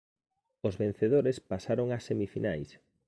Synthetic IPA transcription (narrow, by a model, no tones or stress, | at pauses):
ozβẽn̟θeð̞oɾespasaɾoŋasːemifinajs